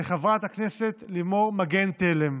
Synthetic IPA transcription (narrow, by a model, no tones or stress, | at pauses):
eχavʁat̪haknese̞t̪limo̞ʁmaɡent̪elem